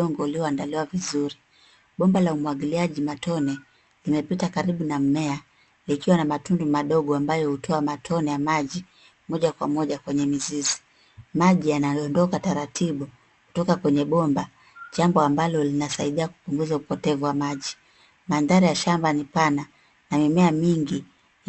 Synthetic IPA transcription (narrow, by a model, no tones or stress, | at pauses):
ɔŋɡɔuliɔandaliwavizuɾi | ɓɔmbalaumuwaɠiliaʄimatʰɔnɛ | limɛpitakaɾiɓunam̩mɛa | likiwanamatundumaɗɔɠɔambajɔhutʰɔamatʰɔnɛjamaʄi | mɔʄakwa̰mɔʄakwɛɲɛmizizi | maʄijanaɔndɔkataɾatʰiɓu | ku̥tɔkakwɛɲɛɓɔmba | ʄambɔambalɔlinasaiɗiaku̥puŋɡuzaupɔtɛvuwamaʄi | manðaɾijaʃambanipana | namimɛamiŋɡi